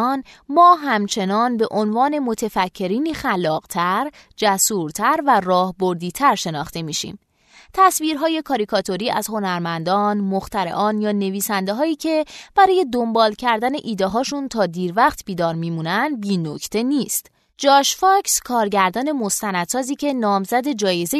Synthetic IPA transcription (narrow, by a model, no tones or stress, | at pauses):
nmɒːɦæmt͡ʃʰe̞nɒːnbe̞ʔo̞nvɒːne̞mo̞t̪ʰefæcʰːe̞ɾiːniːxælːɒːɢt̪ʰæɾ | d͡ʒæsuːɾt̪ʰæɾværɒːhbo̞ɾd̪iːt̪ʰæɾʃe̞nɒːχt̪e̞miːʃḭːm | t̪ʰæsviːɾɦɒːje̞kʰɒːɾikʰɒt̪ʰo̞ɾiːʔæ̰zho̞næɾmænd̪ɒːnmo̞xt̪æɾḛʔɒːnjɒːne̞viːsænd̪e̞ɦɒːjiːcʰe̞b̥æɾɒːje̞d̪ombɒːlcʰæɾd̪æne̞ʔiːd̪eɦɒːʃunt̪ʰɒːd̪iːɾvæχt̪ʰb̥iːd̪ɒːɾmiːmuːnænd̪̚biːno̞cʰt̪ʰe̞niːst̪ | d͡ʒɒːʃfɒkskʰɒːɾɟæɾd̪ɒːne̞mo̞st̪ænæd̪sɒːziːcʰe̞nɒːmzæd̪e̞d͡ʒɒːje̞ze